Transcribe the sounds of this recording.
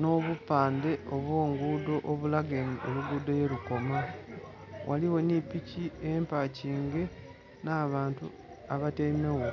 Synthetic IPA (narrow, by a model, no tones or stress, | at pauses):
no̞βupaːnde̞oβwo̞ːŋɡuːdo̞ʔoβulaɡenioluɡudojeluko̞ma | wʔaliwe̞nipiciempaciːŋɡe̞ | naβaːntu | aβateimewo